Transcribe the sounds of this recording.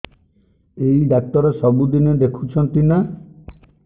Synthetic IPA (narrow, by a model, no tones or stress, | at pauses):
ejɖak̚t̪ɔɾesɔbud̪ined̪ekʰut͡ʃʰɔnt̪ina